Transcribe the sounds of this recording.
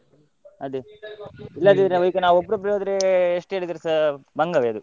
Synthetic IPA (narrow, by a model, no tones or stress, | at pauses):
ɐd̪e | ilːɐd̪id̪ɾɐʋikːɐnaːʋuobːɾup̬ɾijoːd̪ɐɾeeʂʈe̞ːɭid̪iɾesɐbɐŋɡɐʋeɐd̪u